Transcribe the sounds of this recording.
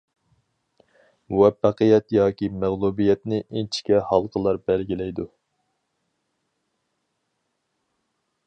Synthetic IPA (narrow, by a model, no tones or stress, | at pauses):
muwɛfːæqəjɛt̪jɑːkʲimæʁlˠubijɛt̪nɪʔint͡ʃʰi̥kʲɛhɑlˠqʰəlˠɑɾbɛlɡʲilɛjd̪u